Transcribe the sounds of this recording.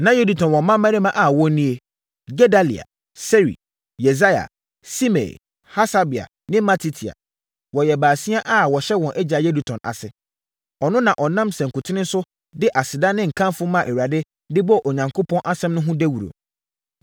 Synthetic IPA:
nã˨˦je˦du˨tʰɔ̃˨nwɔ̃˨mã˦mæ̃˦ɾe˦mã˦ʔa˨wɔ̃˦nĩ˦e˨ | ɡɛ˦da˦lḭ˨a̰˨ | se˦ɾḭ˨ | je˨za˦ja̰˨ | si˦mḛ˨ | ha˦sa˦bi˨a̰˨ | nɪ̃˦ma˦tʰi˦tʰi˨a̰˨ | wɔ˨jɛ˨baː˨si˦a˦ʔa˦wɔ˨ɕɛ˦wɔ̃˨nʔɛ˦d͡ʑa˨je˦du˨tʰɔ̃˨na̰˨sɪ˨ | ɔ˨nʊ̃˦nã˨ʔɔ˨nã˦msɛ̃˨ŋ̩˨kʊ˨tʰɪ˦nɪ̃˦n̩˦sʊ˦ | dɪ˦ʔa˨sɪ˨dã˦nɪ̃˦ŋ̩˨kʰã˦n˦fʊ˦mã˦˨ʔe˨wa˨dɪ˦ | dɪ˦bɔ˦ʔo˨ɲã˨ŋkʰo˦pʰɔ̃˦nʔa˦sɛ̃˦mnʊ̃˦ɦʊ̃˦dɛ˦wu˨ɾo̰˨

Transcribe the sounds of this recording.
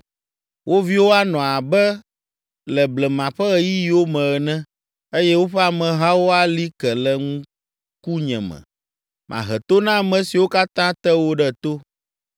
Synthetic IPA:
wʔo˦vi˦wo˦a˦nɔ̃˨a˨bɛ˦ | lɛ˨blɛ˨mã˨ɸɛ˦ɣɛ˦ji˦ji˨wo˦mɛ̃˨ɣɛ˨nɛ̃˦ | e˦jɛ˦wo˦ɸɛ˦a˨mɛ̃˨ɦa˦wo˦a˦li˦kɛ˨lɛ˨ŋũ˦ | ku˦ɲɛ̰̃˨mɛ̰̃˨ | mʔã̰˨ɦɛ˨t̪o˦nã˦˨mɛ̃˨si˨wo˦ka˦t̪ã˦t̪ɛ˦wo˦ɖɛ˦t̪o˦

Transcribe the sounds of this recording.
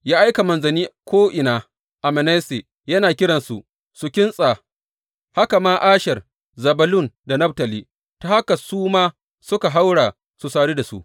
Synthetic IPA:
jaː˦ʔa˦jka˨mɐ˨nzɐ˨niː˦kʷoː˦ʔɪ˨naː˨ | ʔa˨mɐ˨nɛ˦se˨ | jɐ˦naː˨kʲɪ˦ɽɐ˨nsṵ˨ | su˨kʲɪ˦nsʼaː˨ | ha˦ka˨maː˦ʔaː˦ʃɛ˨r | zɐ˨bɐ˦lʊ˦˨nda˨nɐ˦b̚tɐ˨liː˦˨ | ta˨ha˦ka˨suː˦maː˦ | sʊ˦ka˨ɦa˦wɽaː˨ | su˨saː˨ɽiː˦da˨sṵ˦ʔ

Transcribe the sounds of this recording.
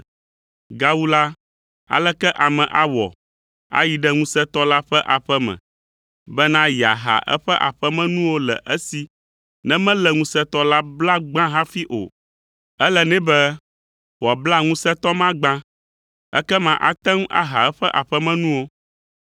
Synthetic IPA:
ɡa˦wu˦la˦ | a̰˨lɛ˦kɛ˦ʔa˨mɛ̃˨ʔa˦wɔ̰˨ | a̰˦ji˨ɖɛ˦ŋũ˦sɛ˦t̪ɔ˦la˦ɸɛ˦ʔa˨ɸɛ˦mɛ̰̃˨ | bɛ˦nã˦ji˨a˨ɦa̰˨ʔɛ̰˦ɸɛ˦ʔa˨ɸɛ˦mɛ̃˦nũ˦wo˦lɛ̰˨ʔɛ˦si˨ | nɛ̃˦mɛ̃˦lɛ˨ŋũ˦sɛ˦t̪ɔ˦la˦bla˦ɡ͡bã˦ɦã˦fi˦ʔo̰˨ | ɛ˦lɛ˨nɛ̃˦bɛ˦ | wɔ˨bla˦ŋũ˦sɛ˦t̪ɔ˦mã˦ɡ͡bã˦ | ɛ̰˦kɛ˦mã˨ʔa̰˦t̪ɛ˦ŋ˦a̰˦ɦa˨ɛ˦ɸɛ˦ʔa˨ɸɛ˦mɛ̃˦nũ˦wo˦

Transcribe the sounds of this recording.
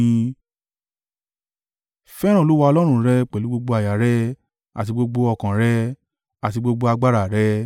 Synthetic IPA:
ĩ˧ | fɛ˦ɾã˦˨o˨˦wa˧ɔ˧lɔ˦ɾ̃ũ˦˨ɾɛ˧˦k͡pɛ˨lu˨˦ɡ͡bo˧ɡ͡bo˧a˨ja˨ɾɛ˦ | a̰˨t̬i˧ɡ͡bo˧ɡ͡bo˧ɔ˧˨kã˨ɾɛ˦ | a˨ti˧ɡ͡bo˧ɡ͡bo˧a˧ɡ͡ba˦ɾa˨ɾɛ˦

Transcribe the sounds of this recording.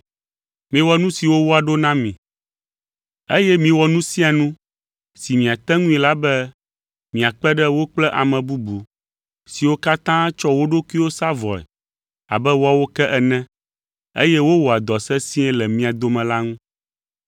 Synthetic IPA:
mĩ˦wɔ˨nũ˦si˨wo˦wo˦a˨ɖo˦nã˦mĩ˨ | ḛ˦jɛ˦mĩ˨wɔ˨nũ˦sĩ˦a˨nũ˦ | si˨mĩ˨a˨t̪ɛ̃˦ŋũ˦i˨la˦bɛ˦ | mĩ˨a˨k͡pɛ˦ɖɛ˦wo˦k͡plɛ˦ʔa˨mɛ̃˨bu˦bu˨ | si˨wo˦ka˦t̪ã˦t͡ʃɔ˦wo˦ɖo˦ku˦i˦wo˦sa˦vɔ˨ɛ̰˨ | a̰˨bɛ˦wɔ˦a˦wo˦kɛ˦ʔɛ˨nɛ̃˦ | ḛ˦jɛ˦wo˦wɔ˨a˨d̪ɔ˨sɛ˦sĩ˦ɛ˦lɛ˨mĩ˦a˨d̪o˦mɛ̃˨la˦ŋũ˦

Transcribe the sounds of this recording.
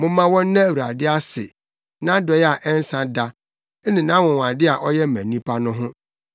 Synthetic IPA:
mʊ̃˦mã˦wɔ̃˦n˦nã˦˨wu˨ɾa̰˨dɪ˦a˦sɪ̰˨ | nã˦dɔ˨˦ja˨ʔɛ˦n˦sã˨da˦ | nɪ̃˨nã˦mʊ̃˨wã˨dɪ˦a˨ʔɔ˦jɛ˦˨mæ̃˨nĩ˦pʰa˦nʊ̃˦ɦʊ̃˦

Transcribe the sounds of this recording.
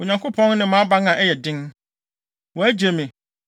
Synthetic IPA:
o˨ɲã˨ŋkʰo˦pʰɔ̃˦n˦nɪ̃˨mã˦ba˦ŋã˨ʔɛ˦jɛ˨dɪ̃˦n | wɔ˨æ˦d͡ʑe˨mɪ̃˨

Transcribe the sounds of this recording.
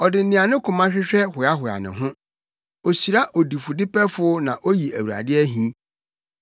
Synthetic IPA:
ɔ˨dɪ˨˦nɪ̃˨a˨nʊ̃˦kʰʊ̃˨mã˦ɕᶣɪ˦ɕᶣɛ˦hʊ˨a˦ɦʊ˨a̰˨nɪ̰̃˨ɦʊ̃˦ | o˨ɕi˨ɾa˦ʔo˨di˨fʊ˨dɪ˦pɛ˦fʊ˨ʊ˦nã˨ʔo˦ji˨æ˨wu˨a̰˨dɪ˦ɛ˦ɦĩ˦

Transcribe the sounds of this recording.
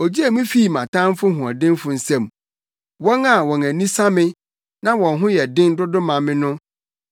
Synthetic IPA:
ɔ˨d͡ʑi˦e˨mĩ˦fi˦˨mã˨tʰã˦m˦fʊ˦hʊ̃˨a̰˨dɪ̃˦nfʊ˨n̩˨sɛ̃˦˨m | wɔ̃˦na˨wɔ̃˨næ̃˨nĩ˦sa˦mɪ̃˦ | nã˦wɔ̃˨nɦʊ̃˦jɛ˨dɪ̃˦n˦dʊ˦dʊ˦mã˨mɪ̃˦nʊ̃˦

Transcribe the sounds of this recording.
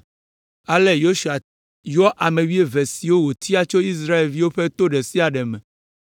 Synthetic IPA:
a˨le˦jo˦ʃu˨a˨ | jɔ˦ʔa˨mẽ˨wi˦e˦ve˨si˨wo˦wo˨t̪ʰi˦a˨t͡ʃo˦i˦s̬ɾa˦e˨lvi˦wo˦ɸe˦t̪o˦ɖɛ˨si˦a˨ɖɛ˨mɛ̃˨

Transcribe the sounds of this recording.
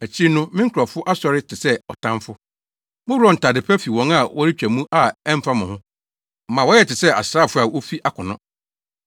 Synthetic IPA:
æ˨t͡ɕʰi˦nʊ̃˦mɪ̃˦ŋ̩˦kʰa˨fʊ˦ʔa˦sɔ˨ɾɪ˦tʰɪ˨sɛ˦ɔ˨tʰã˦mfʊ˦ | mʊ̃˦ɔ̃˨n̩˨tʰa˨dɪ˨pʰɛ˦fi˨wɔ̃˨˦ŋa˦˨wɔ˦ɾi˦t͡ɕᶣæ˨mũ˦ʔa˨ɛ˦m̩˦fa˦mʊ̃˨hʊ̃˦˨ | mã˨wɔ˦jɛ˨tɪ˨sɛ˦a̰˨sɾaː˦˨fʊ˦a˨wo˦fi˦ʔa˦kʰʊ˨nʊ̃˦

